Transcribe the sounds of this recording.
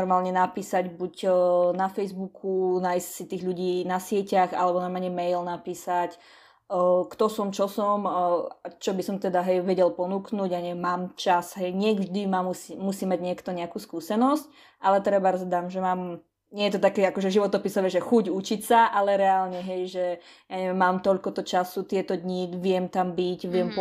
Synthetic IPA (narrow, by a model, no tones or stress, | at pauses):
ɔɾmaːlɲɛnapiːsaɟbuɟnafɛjzbukʰunajscsit̪iːɣʎuɟiːnasɪɛcaxa̰lɛbɔnamaɲɛmɛjlnapiːsac | kt̪ɔsɔmt͡ʃɔsɔmat͡ʃɔbisɔmt̪ɛd̪aɦɛjʋɛɟɛlpɔnuknuːɟaɲɛmaːmt͡ʃasɦɛjɲɪɛɡʒd̪imamusːusiːmːaɟɲɪɛkt̪ɔɲɛakuːskuːsɛnɔsc | ʔalɛt̪ɾɛbaɾɔzd̪amʒɛmaːm | ɲɪɛjɛt̪ɔt̪akɛːakɔʒɛʒiʋɔt̪ɔpisɔʋɛːʒɛxuɟut͡ʃicsaʔalɛɾɛaːlɲɛɦɛjʒɛ | jaɲɛʋɛmːaːmt̪ɔʎkɔt̪ɔt͡ʃasut̪ɪɛt̪ɔd̪ɲiʋɪɛmt̪ambicʋɪɛmp